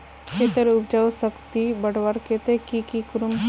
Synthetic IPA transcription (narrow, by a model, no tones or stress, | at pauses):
kʰeːt̪əɾʊbd͡ʒawsəkt̪ibəɽʋaɾket̪ekikikʊɾum